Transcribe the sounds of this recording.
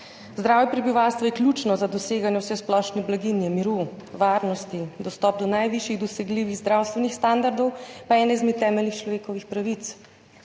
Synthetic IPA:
zd̪ɾaːwjɛpɾɛbiʋawst̪ʋɔjɛklʲuːt͡ʃnɔzad̪ɔseːɡanjɛwsɛsplɔʃnɛblaɡinjɛmiɾu | ʋaːɾnɔst̪id̪ɔst̪ɔːp̚d̪ɔnajʋiʃjiɣd̪ɔsɛɡliːʋiɣzd̪ɾawst̪ʋɛnixst̪and̪aɾd̪ɔwpaɛːnɛizmet̪ːɛːmɛlnixt͡ʃlɔʋeːkɔʋixpɾaʋit̪s

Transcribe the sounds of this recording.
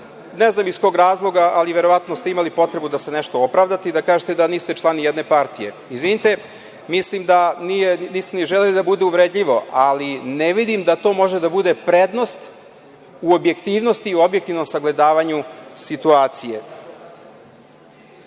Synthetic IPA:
neznamiskoɡɾaːzlˠo̞ɡaʔaliʋeɾo̞ʋat̪nost̪eimalipo̞t̪ɾe̞bud̪ase̞neʃt̪o̞opɾaʋd̪at̪eid̪akaːʒet̪ed̪aniːst̪e̞t͡ʃlˠanijɛd̪ne̞paɾt̪ije̞̰ | izʋinit̪e̞ | mislimd̪anijeniːst̪eniʒelelid̪abud̪euʋɾed̪ʎiʋo̞ʔalineʋid̪imd̪at̪o̞mo̞ʒed̪abud̪e̞pɾed̪no̞st̪ | uo̞bjekt̪iʋno̞st̪iobjek̚t̪iʋno̞msaɡle̞d̪aːʋaɲusit̪uaːt̪sijḛ

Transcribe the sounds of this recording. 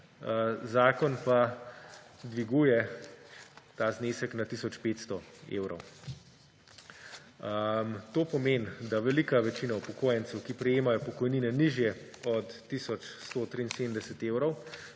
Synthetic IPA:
zaːkɔnpa | d̪ʋiɡujɛ | t̪aːzneːsɛknat̪isɔt͡ʃpeːt̪st̪ɔ | ḛːwɾɔ̰w | mt̪oːpɔmeːnd̪aʋɛlikaʋɛt͡ʃiːnaupɔkoːjənt̪sɛwkipɾɛjeːmajɔpɔkɔjniːnɛniʒjɛ | ɔt̪ːisɔt͡ʃst̪oːt̪ɾiːnseːmnd̪ɛsɛt̪eːwɾɔw

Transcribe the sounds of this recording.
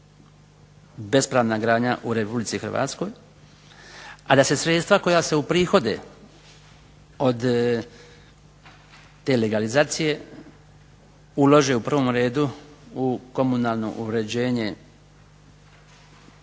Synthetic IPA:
be̞spɾaːʋnaɡɾaːd̪ɲaʔuɾe̞publit̪sixr̩ʋa̰ːt̪sko̞j | ad̪ase̞sɾe̞t̪st̪ʋako̞jase̞upɾiːxo̞d̪ḛ | o̞d̪ | t̪e̞ːleɡalizaːt̪sije̞ | ulo̞ʒe̞upr̩ʋo̞mɾe̞ːd̪uuko̞munaːlˠno̞̰ʔuɾe̞d͡ʑe̞ːɲe̞

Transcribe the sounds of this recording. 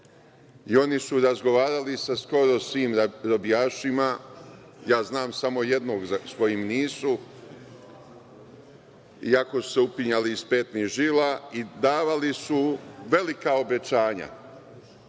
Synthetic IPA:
io̞nisuɾazɡo̞ʋaːɾalisasko̞ɾo̞sʋiːmɾobijaːʃima | jaːznaːmsamo̞jed̪noːɡzasko̞jimniːsu | ḭako̞su̥se̞upiɲaliːspeːt̪niʒilaid̪aːʋalisuʋe̞likao̞be̞t͡ɕaːɲa̰

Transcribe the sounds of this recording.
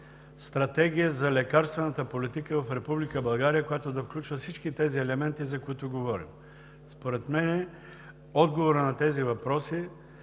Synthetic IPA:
st̪ɾɐt̪ɛɡ̟ʲijəzɐlɛkaɾst̪vɛnɐt̪əpolit̪ikəvɐfɾɛpublikəbɐlˠɡaɾijəkojat̪od̪ɐfklʲut͡ʃvɐfsit͡ʃkit̪ɛziɛlɛmɛnt̪izɐkoit̪ʊɡovɔɾḭm | spoɾɛt̪mɛnɛ | ɔd̪ɡovoɾənɐt̪ɛzivɐpɾɔsi

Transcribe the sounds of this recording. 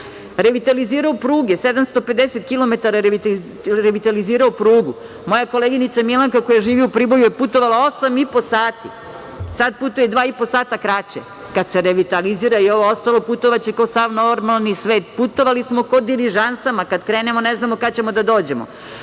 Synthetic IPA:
ɾeʋit̪aliziːɾaopɾuːɡesed̪amst̪ope̞d̪eset̪̚kilo̞me̞t̪aɾaɾ | ɾeʋit̪aliziːɾaopɾuːɡu | mo̞jako̞leːɡinit̪samilaŋkakojaʒiːʋiupɾibo̞jujeput̪o̞ʋalˠao̞samipo̞saːt̪ḭ | sad̪̚put̪ujed̪ʋaːipo̞saːt̪akɾat͡ɕḛ | kad̪seɾeʋit̪aliziːɾaio̞ʋoo̞st̪alˠo̞put̪o̞ʋat͡ɕekaosaʋnoɾmalˠnisʋeːt̪put̪o̞ʋalismo̞kod̪iɾiʒansamakad̪kɾeːnemoneznamo̞kat͡ɕe̞mo̞d̪ad̪o̞ːd͡ʑe̞mo̰

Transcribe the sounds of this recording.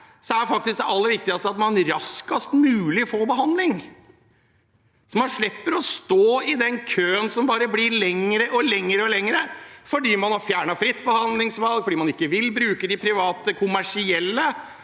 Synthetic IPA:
sɔæɾfɑk̚t̪ɪsk̚d̪ɛʔɑlːəɾʋɪk̚t̪ɪɡɑst̪əɑt̪mɑnɾɑskɑst̪mʉːlɪɔfoːbəɦɑnd̪lɪŋ | sɔmɑnʂɭɪpːəɾɔst̪oːɪd̪ɛnkʰøːənsɔmbɑːɾəblɪɭɛŋəɾəʔɔlɛŋːəɾəɔlɛŋəɾəfɔɖiːmɑnhɑfjæːɳɑfɾɪt̪ːbəhɑnd̪lɪŋsʋɑlɡfɔɖiːmɑnɪkːəʋɪlbɾʉːkəd̪ɪpʰɾɪʋɑːt̪əkʰʊmæʂɪɛlːə

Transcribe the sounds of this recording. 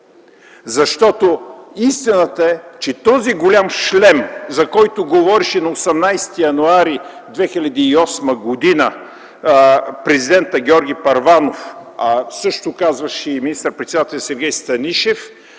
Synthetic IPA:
zɐʃt̪ɔt̪oist̪inət̪əɛt͡ʃɛt̪ɔziɡolʲamʃlɛmzɐkɔjt̪oɡovɔɾiʃɛnɐosɛmnajst̪ijɐnuaɾi | d̪vɛxilʲɐd̪iːɔsmɐɡod̪inə | pɾɛzid̪ɛnt̪əɡʲɔɾɡʲipɐɾvanof | sɤʃt̪okazvɐʃɛminist̪əɾpɾɛt̪sɛd̪at̪ɛlʲjɐsɛɾɡʲɛjst̪ɐniʃɛf

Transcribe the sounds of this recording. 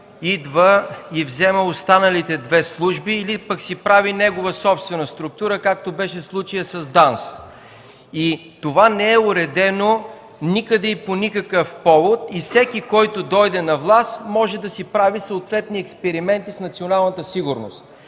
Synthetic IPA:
id̪vəivzɛməost̪anəlit̪ɛd̪vɛslˠuʒbiːlipəksipɾavinɛɡovəsɔpst̪vɛnəst̪ɾʊk̚t̪uɾəkak̚t̪obɛʃɛslˠut͡ʃijəsɐzd̪ans | it̪ovanɛɛʊɾɛd̪ɛno | nikəd̪ɛiponikəkəfpɔvot̪ifsɛk̟ikɔjt̪od̪ɔjd̪ɛnɐvlˠast̪mɔʒɛd̪ɐsipɾavisəot̪vɛt̪niɛkspɛɾimɛnt̪isnɐt̪sionalˠnət̪əsiɡʊɾno̰st̪

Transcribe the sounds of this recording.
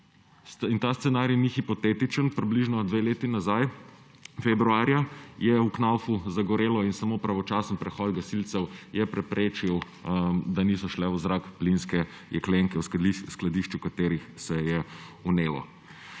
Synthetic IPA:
int̪ast̪sɛnaːɾjnixipɔt̪eːt̪it͡ʃənpɾibliʒnɔd̪ʋeleːt̪inazaj | fɛbɾuaːɾjajɛuknawfuzaɡɔɾeːlɔinsamopɾaʋɔt͡ʃaːsənpɾɛxɔd̪ɡasilt̪sɛwjɛpɾɛpɾeːt͡ʃiw | d̪anisɔʃlɛuzɾakplinskɛ | jɛkleŋkɛwsisklad̪iʃt͡ʃukat̪eːɾixsɛjɛuneːlɔ̰

